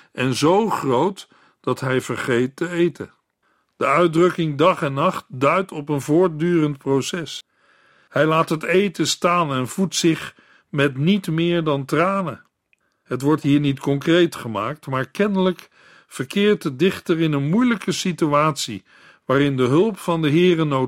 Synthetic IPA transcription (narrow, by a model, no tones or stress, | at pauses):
ʔɛnzowχrowt | d̥ɑtɦɛjvəɹχejtːəejtə̰n | d̥əœɥdrɵkɪŋdɑχɛnːɑχt̚dœɥtʰɔpənvʊːɹt̚dyːrəntprosɛs | hɛjlaːtɦətejtəstaːnɛnv̥utsɪχ | mɛtnitmɪːɹdɑntraːnə | ɦətʋɔɹtɦiːɹnitkɔŋkrejtχəma̰ːk̚tmaːɹkɛnələk | fəɹkɪːɹtədɪχtərɪnənmujləkəsityaːtsḭ | ʋaːɾɪndəɦɵlˠpfɑndəɦɪːrənow